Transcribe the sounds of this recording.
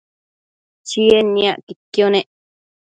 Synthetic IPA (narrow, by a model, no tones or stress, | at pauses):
t͡ʃienːĩaʔkikːjonẽʔ